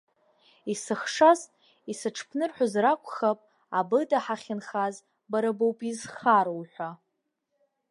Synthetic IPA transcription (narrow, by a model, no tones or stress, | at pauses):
isɨχʂaz | isɨʈ͡ʂʰpʰnɨrħʷᶣazrakʷʰʼχapʼ | abɨdaħaχʲɪnχaz | baɾabowpʼizχaɾowħʷa